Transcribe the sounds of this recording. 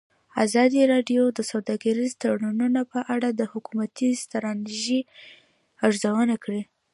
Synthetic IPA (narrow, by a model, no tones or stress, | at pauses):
azɑd̪iɾɑɖjod̪əsawd̪ɑɡaɾizt̪aɽununapəʔaɽad̪əhʊkumat̪izt̪aɾɑniʒi | aʐzawənakɽi